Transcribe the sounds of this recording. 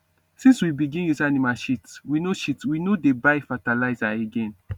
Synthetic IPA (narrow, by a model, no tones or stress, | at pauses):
sĩnswibiɡĩnjuzanimalʃitswinoʃitwinodebaɪfatalaɪzaeɡɛ̃n